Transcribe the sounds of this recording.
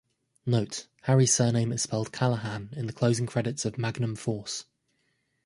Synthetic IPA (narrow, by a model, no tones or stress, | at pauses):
nəʊt | haɹiz̥sɜːnẽɪ̃mɪz̥spɛlˠd̥̚kʰaləɦãnɪ̃nðəkʰl̥əʊzɪ̃ŋkʰɹ̥ɛɾɪtsəvmaɡnə̃ɱfɔˑs